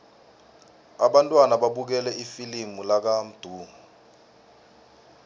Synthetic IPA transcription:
aɓantʼwanaɓaɓuk̬ɛlɛifilimulak̬am̩d̥ʱuːŋu

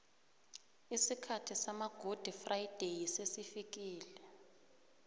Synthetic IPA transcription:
isikʰatʰisamaɡ̥ʱod̥ʱifrajd̥ʱejisesifik̬iːlɛ

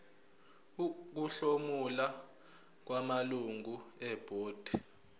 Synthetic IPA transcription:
k̬uɬomula | k̬wamaluŋuɛb̥ʱoːd̥ʱi

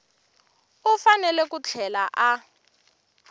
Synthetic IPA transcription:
ufanɛlɛkut͡ɬʰɛlaʔa

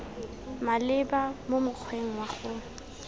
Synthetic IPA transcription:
malɪbamomʊk͡xʰweŋ̩waχʊ

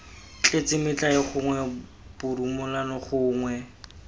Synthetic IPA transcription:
t͡ɬʼet͡sɪmɪt͡ɬʼaɪχʊŋwɛ | b̥ʊɾumʊlanɔχʊːŋwɛ

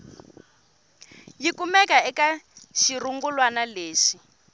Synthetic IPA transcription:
jikumɛkaɛkaʃiɾuŋɡulwanaleːʂi

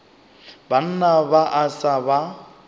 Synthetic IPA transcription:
ban̩nabaʔasaba

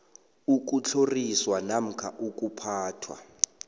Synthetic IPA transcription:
uk̬ʼut͡ɬʰoriswanam̩kʰaʔuk̬ʼupʰaːtʰwa̰

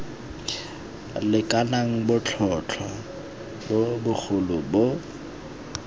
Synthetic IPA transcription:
lɪkʼanaŋ̩bʊt͡ɬʰɔt͡ɬʰwa | bobʊk͡xʰʊlʊbo

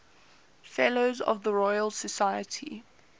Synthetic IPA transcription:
fɛloʊzə̰vðəɹɔɪəlˠsəsaɪətʰḭ

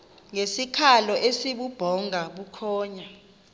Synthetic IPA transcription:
ŋesikʰalɔʔesiɓub̥ʱɔŋʱaɓukʰɔːɲa

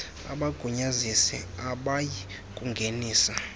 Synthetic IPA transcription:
a̰ɓaɡ̥ʱuɲazisɛaɓaji | kʼuŋɡʱeniːsa

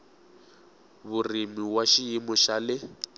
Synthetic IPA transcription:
βurimiwaʃiimɔʃalɪ

